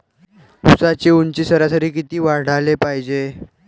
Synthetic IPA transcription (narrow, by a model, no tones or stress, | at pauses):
usat͡ɕeunt͡ɕiːsəɾasəɾiːkit̪iːʋaɾɽ̤alepaɦid͡ʑe